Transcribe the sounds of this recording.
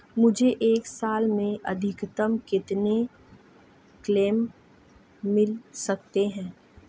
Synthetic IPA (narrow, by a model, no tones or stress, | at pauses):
mʊd͡ʒʱeʔeːksaːlmẽʔɐd̪ʱɪkt̪əmkɪt̪ne | kleːmː | ɪlsɐk̚t̪eɦɛ̃ː